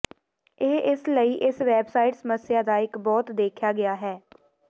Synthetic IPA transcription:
eːɪsləiːʔɪsʋɛːbsaːɪʈsəməsɪjaːd̪aːɪkbɔːt̪d̪eːkʰjaːɡɪaːɦɛː

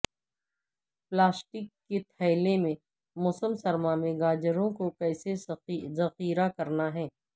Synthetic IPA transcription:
plaːsʈɪkːet̪ʰɐːlemẽ | mʊsəmsɐɾmamẽɡaːd͡ʒəɾõkokɛːsezɐxiːɾakɐɾnaɦɛː

